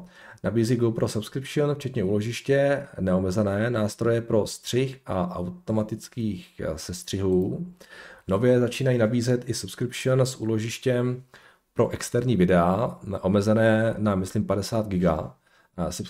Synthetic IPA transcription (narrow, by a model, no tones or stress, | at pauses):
nʔabiːziɡopɾo̞supskɾɪpʃonft͡ʃɛt̪ɲɛuːloʒɪʃcɛnɛo̞mɛzɛnɛːnaːst̪ɾo̞jɛpɾo̞st̪r̝̥ɪxʔaʔa̰wt̪o̞mat̪ɪt͡skiːxsɛst̪r̝̥ɪɦuː | no̞vjɛzat͡ʃiːnajiːnabiːzɛt̪ʔɪsupskɾɪpʃonsʔuːlo̞ʒɪʃcɛm | pɾo̞ʔɛkst̪ɛɾɲiːvɪdɛaʔo̞mɛzɛnɛːnamɪslɪmpadɛsaːd̪ɡɪɡa̰ | sp